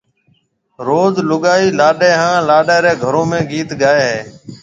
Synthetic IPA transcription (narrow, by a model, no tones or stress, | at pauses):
ɾoːzlʊɠaːiːlaːɗeːɦãːlaːɗeːɾeːɡʱəɾõːmẽːɡiːt̪ɠaːeːɦeː